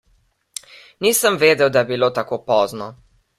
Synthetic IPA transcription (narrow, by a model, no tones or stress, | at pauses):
niːsəmʋeːd̪ɛwd̪ajɛbiloːt̪akoːpɔːznɔ